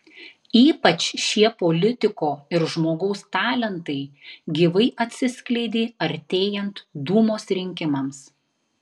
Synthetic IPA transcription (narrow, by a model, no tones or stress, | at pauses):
iːpɐt͡ʃʃʲiɛpoːlʲɪt̪ʲɪkoːɪɾʒmoːɡɐʊst̪ɑːlʲɛnt̪ɐɪɡʲiʋɐɪʔɐt̪ʲsʲɪsʲklʲɛɪd̪ʲiːɐɾʲt̪ʲeːjɛnt̪d̪uːmoːsɾʲɪŋʲkʲɪmɐms